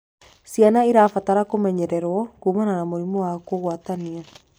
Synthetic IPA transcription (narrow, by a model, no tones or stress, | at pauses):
sianaiɾafataɾakomɛɲɛɾɛɾwɔkuːmananamoɾimɔwakoɣwatania